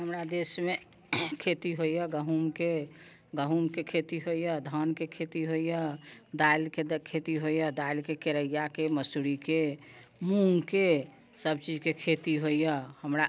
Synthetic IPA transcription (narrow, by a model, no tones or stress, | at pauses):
ɦəmɾad̪esme | kʰet̪iɦoijəɡəɦumke | ɡəɦumkekʰet̪iɦoijəd̪ʱənkekʰet̪iɦoijəd̪ailkekʰet̪iɦoijəd̪ailkekeɾəijakeməsuɾike | mũŋke | səb̚t͡ʃid͡ʒkekʰet̪iɦoijəhəmɾa